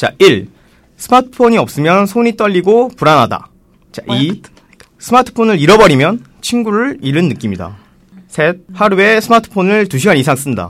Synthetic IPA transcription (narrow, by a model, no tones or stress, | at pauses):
t͡ɕa̰ʔiɭ | sʰɯmatʰɯ̥ɯ̥pʰoɲiʌp̚s͈ɯmjʌnsʰoɲit͈ʌʎːiɡopuɾanɦada̰ | t͡ɕa̰ʔi | sʰɯmatʰɯ̥pʰonɯɾiɾʌbʌɾimjʌn | t͡ɕʰinɡuɾɯɭiɾɯnːɯk͈imɲida̰ | sʰet̚haɾue̞sʰɯmatʰɯ̥pʰonɯɭtuɕʰiɡanisʰaŋs͈ɯmɲda̰